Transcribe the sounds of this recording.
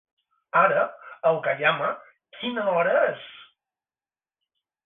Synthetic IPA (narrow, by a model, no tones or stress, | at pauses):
aɾəəlˠkaʎamə | kʰinəɔɾəes